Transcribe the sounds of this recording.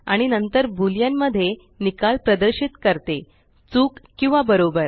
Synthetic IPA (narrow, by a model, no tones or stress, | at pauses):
aɽ̃inənt̪əɾbʱuljamːəd̪ʱːje | nikalpɾəd̪əɾɕit̪kəɾt̪e | t͡suːkːĩw̃ʋabəɾobəɾ